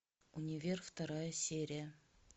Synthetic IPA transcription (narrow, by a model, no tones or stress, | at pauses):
unʲɪvʲerft̪ɐɾajəsʲeɾʲɪjə